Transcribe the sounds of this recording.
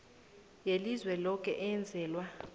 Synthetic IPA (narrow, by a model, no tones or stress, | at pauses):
jelizwɛlɔk̬ʼɛ̰ʔɛnd͡zʱɛːlwa